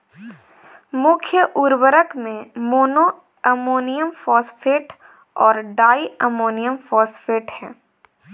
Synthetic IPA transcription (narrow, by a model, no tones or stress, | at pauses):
mʊkʰjəʔʊɾwəɾəkmẽmoːno | əmoːnijəmfɔːsfeːʈ | ɔːɾɖaːiəmoːnijəmfɔːsfeːʈhɛ̰̃ː